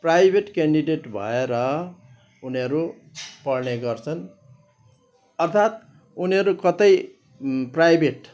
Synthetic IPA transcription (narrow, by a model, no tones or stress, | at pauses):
prajbʱeʈkeɳɖiɖeʈbʱʌ̰eɾʌ | uniʌɾu | pʌɽneɡʌrt͡sʰʌn | ʌrt̪ʰat̪̚ | uniɦʌɾukʌt̪ʌj | prajbʱeʈ